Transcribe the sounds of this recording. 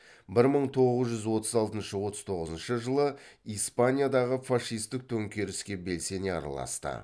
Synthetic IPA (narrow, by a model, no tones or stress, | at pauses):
bɪɾməɴt̪ʰo̞ʁəzʒʏzwo̞t̪əzɑlˠt̪ənʃəwo̞t̪əzt̪ʰo̞ʁəzənʃəʒəlˠəijspanʲijad̪ɑʁəfaʂijst̪ɪk̚t̪ʰɵŋkʲe̞ɾɪskʲe̞be̞lse̞neɑ̰ɾɑ̰lˠɑ̰st̪ə̰